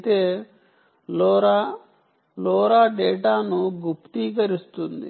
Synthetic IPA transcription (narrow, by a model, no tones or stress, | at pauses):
t̪eː | lɔːɾaː | lɔːɾaːɖɛːʈaːnuɡupt̪iːk̬ɐɾist̪und̪ḭ